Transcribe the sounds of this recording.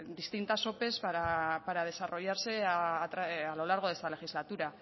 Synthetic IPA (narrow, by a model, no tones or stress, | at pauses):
d̪ist̪int̪aso̞pe̞saapaɾað̞e̞saro̞ʝaɾse̞t̪ɾaalo̞laɾɣ̞o̞ðe̞st̪ale̞xizlat̪uɾa